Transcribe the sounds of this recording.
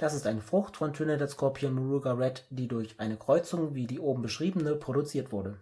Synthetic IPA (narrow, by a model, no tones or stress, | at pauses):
d̥asɪstʔaɪnəfʁ̥ʊxtfɔntʰøːnədɛskʰɔɐpʰiːmuʁuɡaʁɛtd̥iːdʊɐçʔaɪnəkʁ̥ɔʏt͡sʊŋviːdiːʔoːbm̩bəʃʁ̥iːbən̩nəpʁ̥oɾut͡siːɐtv̥ʊɐdə